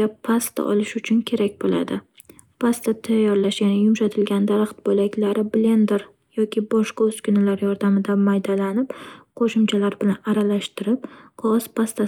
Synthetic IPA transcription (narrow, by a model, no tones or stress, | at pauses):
apʰast̪ʰa̰ʔɒ̰lɪʃʊt͡ʃʰʊnkʲʰe̞ɾakʲbola̰d̪ɪ | pʰast̪at̪ʰajːɒɾlaʃjanajʊmʃat̪ʰɪlɡʲand̪aɾɑχt̪bolakʲlaɾɪble̞nd̪eɾ | jɒkʲʰɪbɒʃqɑɵz̥kʰʲʊnɪlaɾjɒɾd̪amɪd̪amajd̪alanɪpqʰoʃɪmt͡ʃʰalaɾbɪlanaɾalaʃt̪ɪɾɪp̚qʰɒspʰast̪ʰa